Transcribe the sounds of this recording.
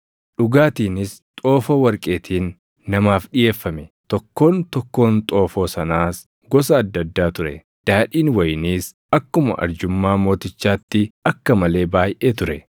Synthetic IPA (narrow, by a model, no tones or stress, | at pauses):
ɗʊɡaːt̪iːnɪst̪ʼo̞ːfɐwɐɾkʼe̞ːt̪ʰiːnː | ɐmaːfɗɪje̞ːfːɐmɛt̪ɔkːo̞ːnt̪ɔkːo̞ːnt̪ʼo̞ːfo̞ːsɐnaːs | ɡɔs̬ɐːd̪ːɐd̪ːaːt̪ʊɾɛ̰d̪̥aːᶑiːnwɐjniːs | ɐkːʊmɐ̰ʔɐ̰ɾd͡ʒʊmːaːmo̞ːt̪ɪt͡ʃːaːt̪ːɪɐkːɐmɐle̞ːbaːjʔeːt̪ʊɾɛ